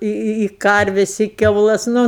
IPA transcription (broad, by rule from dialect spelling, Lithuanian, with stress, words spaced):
ɪ ɪ ɪ ˈkɐrʲʋʲɛs ɪ kʲɛʊˈlˠɐs ˈnʊ